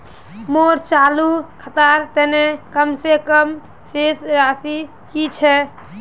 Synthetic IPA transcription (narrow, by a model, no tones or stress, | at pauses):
moɾt͡ʃalukʰət̪aɾt̪ɛnekəmsekəm | sesɾasi | kit͡ʃʰɛ